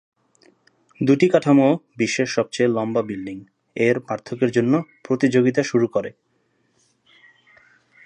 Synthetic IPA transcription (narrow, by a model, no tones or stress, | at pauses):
d̪uʈikaʈʰamobiʃːeʃːɔb̚t͡ɕejlɔmbabilɖiŋ | eɾmaɾt̪ʰːokeɾd͡ʑonːopɾot̪id͡ʑoɡit̪aʃuɾukoɾe